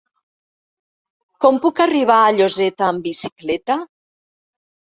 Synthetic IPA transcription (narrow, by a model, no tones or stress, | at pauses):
kɔmpukariβ̞aːʎozɛt̪aːmbisi̥klɛt̪a